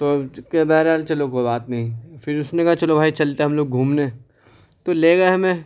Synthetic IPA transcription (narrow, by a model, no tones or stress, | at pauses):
t̪oːkebɛɦɾaːlt͡ʃɐlokoːbaːt̪nɐɦĩfɪɾʊsnekɐaɦat͡ʃɐlobʱaːit͡ʃɐlt̪eɦɐmloːɡ̚ɡʱuːmneː | t̪oleːɡɐaɦɐmẽ